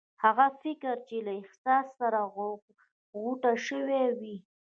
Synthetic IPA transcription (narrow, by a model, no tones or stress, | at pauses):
haɣafɪkɪɾt͡ʃelaɪhsɑsːaɾa | ɣuʈaʃəwewi